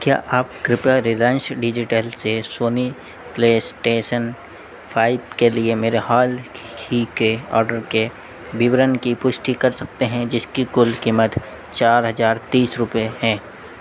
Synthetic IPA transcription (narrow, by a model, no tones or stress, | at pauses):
kja̰ːʔaːpkɾɪpaɾɪlaːɪ̃nsɖɪd͡ʒɪʈəlsesoːni | pleːsʈeːʃən | pʰaːɪb̚keliemeːɾehaːl | hikeɔ̰ːɾɖəɾke | bɪʋɾənkipʊʃʈikɐɾsɐk̚t̪eɦɛ̃d͡ʒɪskikʊlkiːmət̪ | t͡ʃaːɾɦɐzaːɾt̪iːsɾʊpeɦɛ̃ː